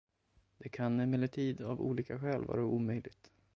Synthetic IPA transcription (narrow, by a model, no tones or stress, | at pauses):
d̪̥ɛkʰanɛmɛlːəʈʰiːd̪avṵːliːkaɧɛːlvɑ̰ːɾauːmœjlɪɡt̪